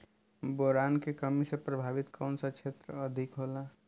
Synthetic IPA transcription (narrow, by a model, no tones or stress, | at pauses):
boɾankekəmisẽpɾəbʱabit̪kəwnsakt͡ʃʰet̪ɾəəd̪ʱikɦola